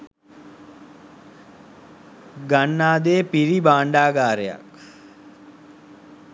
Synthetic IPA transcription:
ɡaɳːaːd̪eːpiɾibaːɳɖaːɡaːɾeja̰k

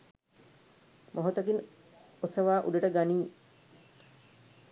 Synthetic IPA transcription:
mʔoɦot̪ɐkin | osɐʋaːʔuɖeʈəɡaniː

